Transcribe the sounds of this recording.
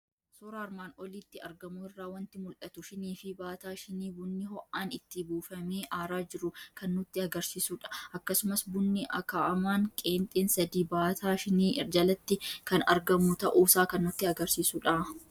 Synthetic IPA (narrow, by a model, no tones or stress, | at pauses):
soɾaːɾmaːnɔliːt̪ːɪɐ̰ɾɡɐmʊɪrːaːwɐnt̪ɪmʊlʔɐt̪ʊʃɪniːfɪbaːt̪aːʃɪniːbʊnːɪhɔʔʔaːnɪt̪ːɪbuːfɐmeːʔaːɾaːd͡ʒɪɾʊkɐnːʊt̪ːɪɐɡɐɾsiːsuᶑɐ̥ʔɐkːɐsʊmɐsbʊnːɪʔɐkaːʔɐmaːŋkʼe̞ːnt̪ʼeːnsɐd̪iːbaːt̪ʰaːʃɪniːʔɪɾd͡ʒɐlɐt̪ːɪkɐnɐ̰ɾɡɐmʊt̪ɐʔuːsaːkɐnːʊt̪ːɪɐɡɐɾsiːsuᶑɐ